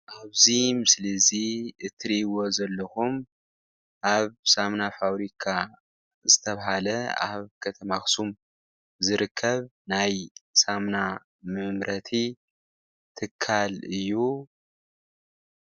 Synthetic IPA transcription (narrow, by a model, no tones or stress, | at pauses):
ʔaβzimɨslɐziɨt̪ʰːɨɾiwo̞zɐlːɐxum | ʔaβsamnafaβɾikʰa | zɨt̪ʰɐβaɦalɐa̰βkʰɐt̪ʰɐmaxsum | zɨɾɨkʰːɐβnajsamna | mɨmɾʔɐt̪ʰi | t̪ʰɨkʰːalɨjːu